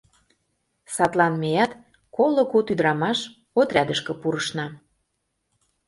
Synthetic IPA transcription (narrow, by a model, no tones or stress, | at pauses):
sɑt̪lɑnmejɑt̪ | koloɣot̪yd̪ɾɑmɑʃ | ot̪ɾʲæd̪əʃkə̆puɾəʃnɑ